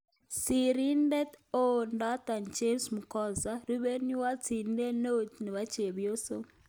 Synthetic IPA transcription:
si˨ɾi˦ndɛ˦t̪o˦nda˦t̪a˨nt͡ʃe˦msmu˨kɔ˦za˦ɾi˦βe˦ni˦wa˦t͡sʰi˨ndɛ˦no˦ni˨βa˦t͡ʃe˨βjo˦so˦

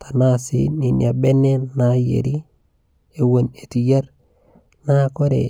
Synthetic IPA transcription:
ta˨na˦sḭ˦ni˨nia˨be˦ne˦na˨jḛ˨ɾi˦ | e˨wo˦˨ne˨ti˨ja˦ɾ | na˦ko˦ɾḛ˨

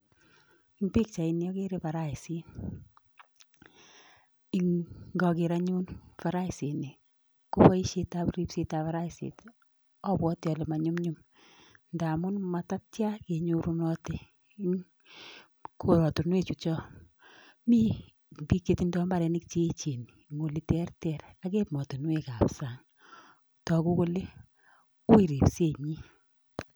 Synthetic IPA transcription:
i˦ŋpi˦k̚t͡ʃa˨i˨njɔ˦ke˦ɾe˦pa˨ɾa˦i˨si˦n | i˦ŋɡɔ˧kɪ˨ɾa˦ɲu˦nfa˨ɾa˦ɪ˨si˨ni˨ | ko˦pɔ˦i˦ʃe˦tapɾi˦pse˦ta˨fa˦ɾa˦˨sḛ˨t | ɔ˦bwɔ˦tjɔ˨le˨ma˨ɲu˦mɲu˦m | nda˨mʊ˦nma˨ta˦tt͡ʃja˦ke˨ɲo˦ɾu˦nɔ˦te | kʰo˨ɾɔ˨tu˨nwe˦t͡ʃu˨t͡ʃɔ˦ | mi˦ | bi˦kːeti˦ndɔ˦mba˦ɾɛ˨ni˦k̚t͡ʃe˦t͡ʃe˨ni | ŋo˨li˨tɛ˦rtɛ˨ɾa˨ke˦mɔ˨to˨nwe˦ka˨psa˨ŋ | tɔ˨ku˦ko˦le˦ | u˦i˨ɾi˨pse˦˨ɲi˦

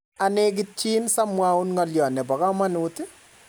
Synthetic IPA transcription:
a˨nek̬ɪt͡ʃːi˦nsa˦mwa˦unŋɔljɔ˨nɛ˨pɔ˨ka˦ma˦nutɪ˦

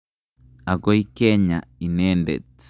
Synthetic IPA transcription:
a˨kɔ˦i˦kɛɲa˨i˨nɛːndɛ̰˨t͡s

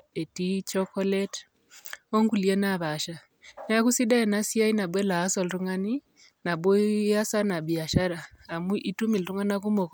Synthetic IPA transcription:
e˨ti˦t͡ʃɔkɔ˦lɛt | ɔ˦ŋɡu˨liɛ˦naβa˨ʃa˨ | n˦a˦ku˦si˦da˦ɛ˨na˦si˦a˦i˦na˨bwɛ˦la˨a˦sɔ˨lɾu˦ŋani˦ | na˨bwɔ˦ja˦sa˦na˨bi˨a˨ʃa˦ɾaː˨mu˦ʔi˦tu˦mi˨ltu˦ŋa˦na˦ku˦mɔ˨kɔ

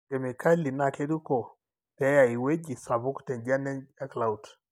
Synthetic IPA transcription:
kɛ˨mi˨ka˦li˨na˨kɛ˦du˦kɔ˨ | tɛ˨˦ja˨i˨we˦d͡ʒi˨sa˨βu˦ktɛ˨nd͡ʒa˦nɛ˦na˦kla˨u˨t

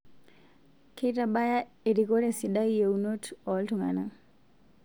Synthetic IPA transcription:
kʰe˦taba˦ja˦ | e˨ɾiko˦ɾe˦sida˦je˨uno˦tɔ˨ltuŋa˨na˨

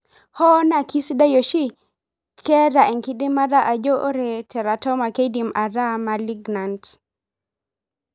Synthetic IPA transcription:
hɔ˦na˨ki˦sda˦jo˨ʃi˦ | kʰɛ˦ɾa˨ɛ˨ŋki˦di˦ma˦ɾa˦ʔa˨d͡ʒo˦ʔo˦ɾɛ˨tʰɛ˨ɾa˨tɔ˦ma˨ke˦di˨mʔa˨ɾa˦ma˨li˦ɡna˨nt

